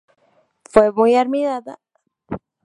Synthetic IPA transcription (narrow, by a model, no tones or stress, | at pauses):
fwemujaɾmiðaða̰